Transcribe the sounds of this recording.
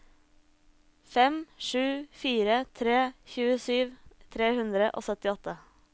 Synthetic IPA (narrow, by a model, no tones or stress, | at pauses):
fɛmʂʉːfiːɾət̪ʰɾeːçʉːəsyːʋt̪ʰɾeːhʉnd̪ɾəʔo̰ːsœt̪ɪɔt̪ə